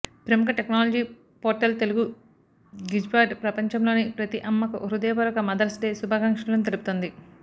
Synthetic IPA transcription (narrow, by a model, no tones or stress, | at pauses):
pɾɐmukɐʈeknaːlɐd͡ʒiː | poːɾʈɐlt̪e̞luɡu | ɡid͡ʒbaːɖpɾɐpɐɲt͡ʃɐmlo̞ːnipɾɐt̪iʔɐmːɐkɐʔuɾud̪ɛːpɐɾɐkɐmɐd̪ɐɾɐsʈ̪eːsubʱaɡɐŋkʂɐlɐnut̪elupu̥t̪ond̪i